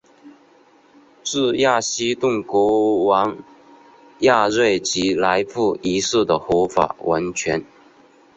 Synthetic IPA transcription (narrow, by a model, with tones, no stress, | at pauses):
t͡sɹ̩˥˧ja˥˩ɕi˥t̪ʊ˥˩ŋkwɔ˧˥wɑ˧˥ŋ | ja˥˧ɻwe˥˩ɪt͡ɕi˧˥la˧˥ɪfu˥˩i˧˥sɹ̩˥˩d̪ə˩xɔ˧˥fa̰˨˩wʔa̰˧˥nt͡ɕʰɥɛ˧˥n